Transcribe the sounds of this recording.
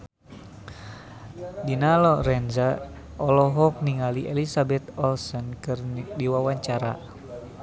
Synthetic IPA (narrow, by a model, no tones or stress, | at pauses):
dinalɔɾɛnza | ʔɔlɔɦɔk̚niŋaliʔelisabɛt̪ɔlsɔnkɨrdiwawaɲt͡ʃaɾa̰